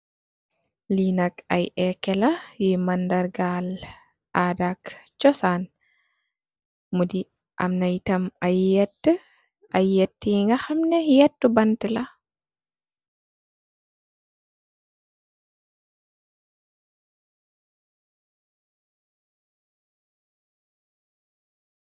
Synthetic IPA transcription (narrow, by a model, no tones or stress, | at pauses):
liːnakajʔɛkɛlajimandaɾɡal | ʔaːdakt͡ʃɔsan | mudi | ʔa̰mnajtamajːɛtːə | ʔajːetːiŋɡaxamnɛjɛtːubantɛla